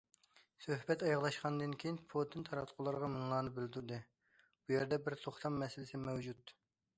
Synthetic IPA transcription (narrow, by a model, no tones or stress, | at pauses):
søhbɛt̪ɑjɑʁlˠɑʃqɑnd̪ɨnkʲʰejinpʰod̪ɨnt̪ʰɑɾɑt̪qʰʊlˠɑɾʁɑmɨŋlˠɑːnɨbɪld̪ɪɾd̪ɨ | bujæɾd̪ɛbɪɾt̪ʰoχt̪ʰɑmːɛsɪlɪsɪmɛwd͡ʒut̪